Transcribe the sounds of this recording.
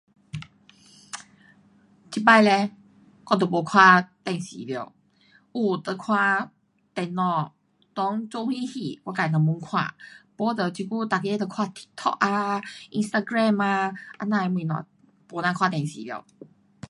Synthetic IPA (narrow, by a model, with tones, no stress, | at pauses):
t͡ɕʰi˧pa˧˨lɛ˧ | kɔ˧t̪̬o˨˩bo˨˩kʰwa˧t̪ɛ˧˩ŋsḭ˨˦li˧˨ | ʔu˧˩t̪ə˧˨kʰwa˧ | t̪ɛ˧nɔ˧˩ | t̪ɔ˧˦ŋt͡so˧˦hwĩ˦hi˧˩kwa˧ka˧˨i˨˩ə˧˨mu˧˦ŋkʰwã̰˧˨po˧˦t̪ə˧˨t͡ɕi˧ku˧t̪a˧˩ke˧t̪ə˧˩kʰwa˧t̪ʰi̥˧k̚t̪ʰɔ̰˧ʔ̚a˧ʔi˧nst̪a˧ɡɾɛ˧˨ma˧ʔa˧nã˧˨˧mwĩ˧˨nɔ̰̃˨ | bo˨˦nã˧kʰwa˧t̪ɛ̃˨˩ŋsḭ˨˦lj